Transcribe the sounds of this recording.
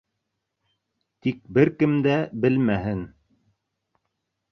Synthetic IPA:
t̪ik̚bɘɾkɘmd̪æbɘlmæɦɘn

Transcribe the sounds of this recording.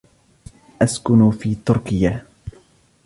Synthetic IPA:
ʔaskʊnfiːt̪ʊɾkɪja

